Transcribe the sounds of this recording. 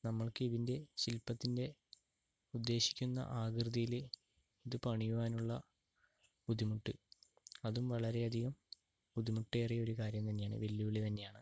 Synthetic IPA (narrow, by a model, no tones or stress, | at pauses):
nɐmːɐɭkɨiðinde̞ɕilpːɐt̪ːinde̞ | ud̪ːe̞ːɕi̥kʲːunːɐ̰ʔaːɡrɨðijil | iðɨpɐɳijuʋaːnuɭːɐ | pud̪ʱimuʈːɨ | ɐðumʋɐɭɐɾe̞ɐd̪ʱiɣɐm | pud̪ʱimuʈːe̞ːrijɐo̞ɾukaːɾjɐmt̪ɐnːe̞jaːɳɨ̰ʋelːjuʋiɭit̪ɐnːe̞jaːɳɨ